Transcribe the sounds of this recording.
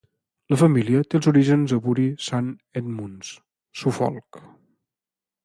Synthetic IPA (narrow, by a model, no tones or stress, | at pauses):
ləfəmiliət̪elˠzuɾiʒənzəβuɾisanɛd̪muns | sufɔ̰lˠk